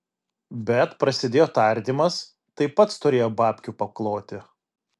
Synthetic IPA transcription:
bʲɛt̪pɾɐsʲɪd̪ʲeːjoːt̪ɐɾʲd̪ʲimɐs | t̪ɐɪpːɐt̪st̪ʊɾʲeːjoːbɑːpʲkʲupɐklˠoːt̪ʲɪ

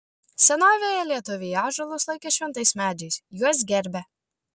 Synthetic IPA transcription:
sʲɛnoːʋʲeːjɛlʲiɛt̪ʊʋʲɪjɑːʒɐlˠʊslˠɐɪkʲɛʃʲʋʲɛnt̪ɐɪsmʲæːd͡ʒʲɛɪsjuɔs̬ɡʲɛɾʲbʲɛ

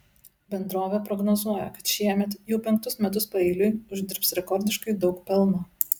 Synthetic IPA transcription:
bʲɛnd̪ɾoːʋʲɛpɾɔɡnɔzuɔjɛ̰kɐt̪ʃʲiɛmʲɛt̪jɛʊpʲɛŋk̚t̪ʊsmʲɛt̪ʊspɐɪːlʲʊjʊʒʲd̪ʲɪɾpsɾʲɛkɔɾʲd̪ʲɪʃkɐɪd̪ɒʊkpʲɛlˠˑnoː

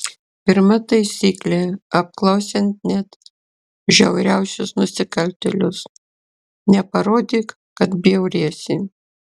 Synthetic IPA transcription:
pʲɪɾmɐt̪ɐɪsʲiːklʲeɐp̚klˠɐʊsʲɛnt̪̚nʲɛt̪ | ʒʲɛʊɾʲæʊsʲʊsnʊsʲɪkɐlʲt̪ʲɛlʲʊs | nʲɛpɐɾoːd̪ʲiːk | kɐt̪bʲɛʊɾʲiɛsʲi

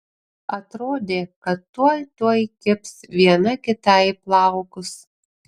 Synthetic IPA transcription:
ɐt̪ɾoːd̪ʲeːkɐt̪ːuɔjt̪uɔjkʲɪpsʋʲiɛnɐkʲɪt̪ɐɪplˠɑˑʊkʊs

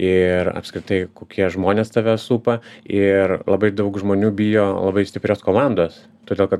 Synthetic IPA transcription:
ɪrɐ̰pskɾʲɪt̪ɐɪkoːkʲiɛʒmoːnʲeːst̪ɑʋʲɛsuːpɐɪrlˠɐbɐɪd̪ɐʊkʒmoːnʲuːbʲijoːlˠɐ̰bɐɪsʲt̪ʲɪpʲɾʲoːskoːmɑnd̪oːs | t̪oːdʲeːlˠkɐt̪

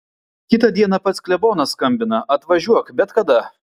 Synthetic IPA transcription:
kʲɪt̪ɐd̪ʲiɛnɐpɐt̪sklʲɛboːnɐskɐmʲbʲɪnɐɐt̪ʋɐʒʲuɔkbʲɛt̪kɐd̪ɐ

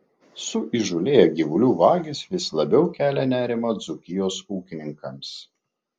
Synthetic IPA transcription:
sʊʔiʒʊlʲeːjɛɡʲiʋʊlʲuːʋɑːɡʲɪsʋʲɪslˠɐbʲɛʊkʲæːlʲɛnʲæːɾʲɪmɐd̪zʊkʲɪjoːsuːkʲɪnʲɪŋkɐms

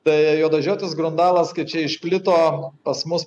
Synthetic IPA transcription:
t̪ɐɪjoːd̪ɐʒʲoːt̪ʲɪsɡɾʊnd̪ɑːlˠɐskɐɪt͡ʃʲɛɪʃʲpʲlʲɪt̪oːpɐsmʊs

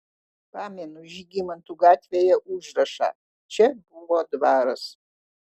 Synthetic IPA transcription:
pʰaːmenuʒiɡʲimɐntʰuɡaːtʰʲvʲejɛʔuʒrɐʂa̰ː | t͡ʃʰɛbuŋɡʷɔdbaːɾɐs

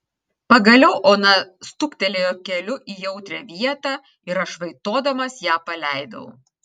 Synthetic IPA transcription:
pɐɡɐlʲɛʊʔoːnɐst̪ʊkt̪ʲɛlʲeːjoːkʲɛlʲʊʔiːjɛʊt̪ʲɾʲæʋʲiɛt̪ɑː | ɪɾɐʃʋɐɪt̪oːd̪ɐmɐsjæːpɐlʲæˑɪd̪ɐ̰ʊ

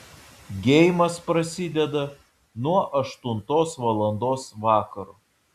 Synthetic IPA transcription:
ɡʲɛɪmɐspɾɐsʲɪd̪ʲɛd̪ɐ | nuɔʔɐʃt̪ʊnt̪oːsʋɐlˠɐnd̪oːsʋɑːkɐɾoː

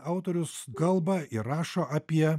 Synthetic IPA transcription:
ɐʊt̪oːɾʲʊskɐlˠbɐɪɾɑːʃoːʔɐpʲiɛ

